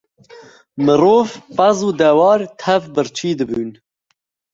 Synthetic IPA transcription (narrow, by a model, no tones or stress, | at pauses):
mɨroːvpazuːd̪ɛwɑːɾt̪ʰɛvbɨɾt͡ʃʰiːd̪ɨbyːn